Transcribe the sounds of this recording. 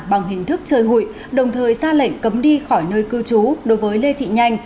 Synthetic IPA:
ɓa˨˩ŋɦï˨˩ŋ̟t̪ʰɨ˦˥k̚t͡ɕəː˨˩jɦṵ˧˨j | ɗə˨˩wŋ͡mt̪ʰəː˨˩jzaː˧lə̰˧˨ŋ̟kə˨˦mɗi˧xɔ˧˩jnəː˧jkɨ˧t͡ɕu˨˦ɗo˨˦jvəː˨˦jle˧t̪ʰḭ˧˨ɲa˧jŋ̟

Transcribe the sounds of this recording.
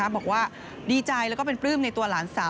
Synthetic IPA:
a˦˥bɔː˨˩k̚waː˥˩ | diː˧t͡ɕa˧jlɛ˦˥wkɔː˥˩pe˧npɾɯː˥˩mna˧jt̪u˧ɐlaː˩˦nsaː˨˦

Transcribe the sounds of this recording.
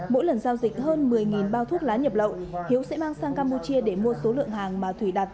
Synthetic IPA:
mo̰˧˥jlə˨˩nzaː˧wzï˨˩k̟̚həː˧nmɨ˨˩əjŋi˨˩nɓaː˧wt̪ʰu˦˥ək̚laː˨˦ɲə˨˩p̚lə̰˧˨whi˨˦əwsɛ̰˧˥maː˧ŋsaː˧ŋkaː˧mpu˧t͡ɕi˧əɗe˧˩mu˧əso˨˦lɨ̰˧˨əŋɦaː˨˩ŋmaː˨˩t̪ʰwi˧˩ɗaː˨˩t̚

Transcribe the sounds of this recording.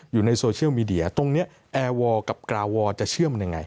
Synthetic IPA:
juː˨˩na˧jsoː˧t͡ɕʰi˥˩əwmiː˧di˧˩ɐt̪o˧ŋni˦˥ɐ | ʔɛː˧wɔː˧ka˨˩p̚kɾaː˧wɔː˧t͡ɕa˨˩t͡ɕʰɯ˥˩əma˧nja˧ŋːa̰˧j

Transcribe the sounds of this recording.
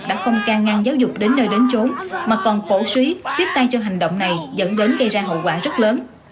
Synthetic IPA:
ɗa̰ː˧˥fɔ˧wŋ͡mkaː˧ŋːaː˧ŋzaː˨˦wzʊ˨˩k͡p̚ɗe˨˦nːəː˧jɗe˨˦nt͡ɕo˨˦nmaː˨˩kɔ˨˩nfo˧˩swi˨˦t̪wi˦˥ət̚t̪a˧jt͡ɕɔ˧ɦa˨˩jŋ̟ɗo̰˧˨wŋ͡mna˨˩jzə̰˧˥nɗe˨˦nɣə˧jzaː˧ɦə̰˧˨wkwaː˧˩zə˦˥t̚ləː˨˦n

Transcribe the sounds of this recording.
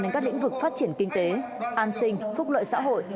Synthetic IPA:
e˧nkaː˦˥klḭ̈˧˥ŋ̟vɨ˨˩k̚faː˦˥t̚t͡ɕi˧˩ənkï˧ŋ̟t̪e˨˦ | ʔaː˧nsï˧ŋ̟fʊ˦˥k͡p̚lə̰ː˧˨jsa̰ː˧˥ɦo̰˧˨j

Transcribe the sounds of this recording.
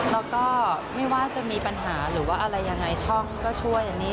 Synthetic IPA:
lɛ˧˦˥wkɔː˥˩ma˥˩jwaː˥˩t͡ɕa˨ʔmiː˧pa˧nɦaː˩˦ɾɯː˩˦waː˥˩ʔa˧ɾa˧jːa˧ŋːa˧jt͡ɕʰɔ˥˩ŋ˥kɔː˥˩t͡ɕʰu˥˩əja˨˩ŋniː˦˥

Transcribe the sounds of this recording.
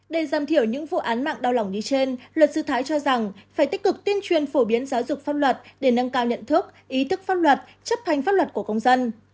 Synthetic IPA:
ɗe˧˩zaː˨˧˩mt̪ʰi˧˩əwɲɨ̰˧˥ŋvṵ˧˨ʔaː˨˦nma̰ː˧˨ŋɗa˧wla˨˧˩wŋ͡mɗi˧t͡ɕe˧nlwə˨˩t̚sɨ˧t̪ʰaː˨˦jt͡ɕɔ˧za˨˩ŋfaː˧˩jt̪i˦˥k̟̚kɨ˨˩k̚t̪i˧ənt͡ɕwi˨˩ənfo˧˩ɓi˨˦ənzaː˨˦wzʊ˨˩k͡p̚faː˦˥lwə˨˩t̚ɗe˧˩nə˧ŋkaː˧wɲə̰˧˨nt̪ʰɨ˦˥ək̚ʔi˨˦t̪ɨ˦˥k̚faː˦˥lwə˨˩t̚ | t͡ɕə˦˥p̚t̪ʰa˧˩jŋ̟faː˦˥wə˨˩t̚ku˧˩əkə˧wŋ͡mzə˧n

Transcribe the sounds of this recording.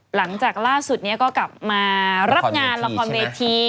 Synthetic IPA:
la˩˦ŋt͡ɕaː˨˩k̚laː˥˩su˨˩t̪̚ni˦˥ɐkɔː˥˩kla˨˩p̚maː˧ɾa˦˥ŋaː˧nla˧kʰɔː˧nweː˧t̪ʰiː˧

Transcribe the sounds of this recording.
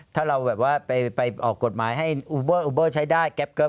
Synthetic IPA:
t̪ʰaː˥˩ɾa˧wbɛː˨˩p̚waː˥˩pa˧jpa˧jʔɔː˨˩kːo˨˩t̪̚maː˩˦jɦa˥˩jʔuː˧˩bɤː˥˩ʔuː˧bɤː˥˩t͡ɕʰa˦˥jdaː˥˩jkɛ˦˥p̚kɤː˦˥

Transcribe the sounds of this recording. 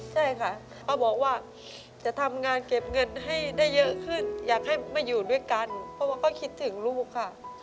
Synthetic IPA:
t͡ɕʰa˥˩jkʰa˥˩ | kʰɔ˧˥˩wbɔː˨˩k̚waː˥˩ | t͡ɕa˨˩ʔt̪ʰa˧mŋaː˧nke˨˩p̚ŋɤ˧nɦa˥˩jda˥˩jːɤ˦˥ʔkʰɯ˥˩njaː˨˩k̚ha˥˩jmaː˧˥˩juː˨˩du˥˩əjka˧npʰɔ˧˥waː˥˩kʰɔ˧˥˩kʰi˦˥t̪ʰːɯ˩˦ŋluː˥˩kʰːa˧˩ʔ

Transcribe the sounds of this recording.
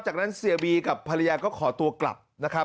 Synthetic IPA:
t͡ɕaː˨˩k̚na˦˥nsi˨˩˦biː˧ka˨˩pʰːa˧la˧jaː˧kɔː˥˩kʰɔː˩˦t̪u˧ɐkla̰˨˩p̚na˦˥kʰa˦˥

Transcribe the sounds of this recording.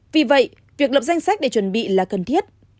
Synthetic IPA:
vi˨˩və̰˧˨j | vi˨˩ək̚lə˨˩p̚za˧jŋ̟sa˦˥jk̚ɗe˧˩t͡ɕwə˧˦nɓḭ˧˨laː˨˩kə˨˩nt̪ʰi˦˥ət̚

